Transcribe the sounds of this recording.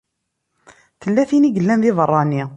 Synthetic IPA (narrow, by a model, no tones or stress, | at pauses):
θəlːæθiniɡəlːæmðɪðərˤːɑni